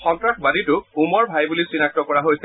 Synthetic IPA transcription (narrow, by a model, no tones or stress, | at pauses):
xɔntɹaxbaditʊumɔɹbʱajbulisinak̚tɔkɔɹaɦojs